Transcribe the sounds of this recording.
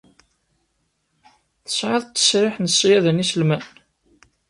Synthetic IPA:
θə̥sʕɪðˤt̪ːə̥sɾɪħnəsːjæðənisəlmæn

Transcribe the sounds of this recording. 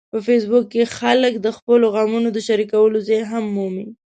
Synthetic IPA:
pəfes̬bʊkːexaləkd̪əxpəloɣɑmunod̪əʃaɾikawəlozajɦamːumi

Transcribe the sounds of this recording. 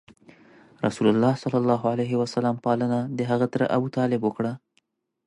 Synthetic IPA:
ɾa̰sulalːɑsalːalːɑɦoalajɦɪwasalampɑlənad̪əɦaɣat̪ɾə̰ʔabut̪ɑlɪbwəkɽa

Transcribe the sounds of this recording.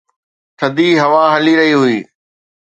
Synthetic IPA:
sʰɐd̪iɦɐʋaɦɐliɾɐɦiɦʊiː

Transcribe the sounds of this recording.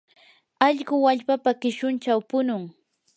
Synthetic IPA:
ɑʎɢʊwaʎpapakɪʃʊnt͡ʃawpʊnʊŋ

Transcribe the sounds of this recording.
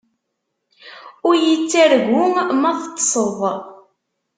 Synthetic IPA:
ʊɾjət͡sːæɾɣʊŋmæθt̪ˤːsˤəðˤ

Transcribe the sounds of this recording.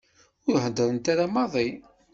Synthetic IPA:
ʊɾhəd̪ːəɾənt̪aɾamɑðˤi

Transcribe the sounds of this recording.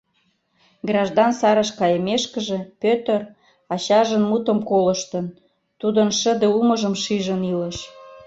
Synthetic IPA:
ɡrɑʒd̪ɑnsɑɾə̆ʃkɑjə̆meʃkə̆ʒĕpøt̪ə̆r | ɑɕɑʒə̆nmut̪ə̆mkolə̆ʃt̪ə̆n | t̪ud̪ənʃə̆d̪euməʒə̆mʃiʒə̆nilə̆ʃ

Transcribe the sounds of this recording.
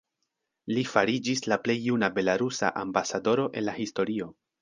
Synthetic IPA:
lifaɾid͡ʒislaple̞jːunabe̞laɾusa̰ʔambasado̞ɾo̞ʔe̞̰nlahisto̞ɾio̞

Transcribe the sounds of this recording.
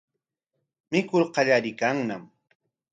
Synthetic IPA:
mɪkʊɾqɑʎaɾɪkaŋnam

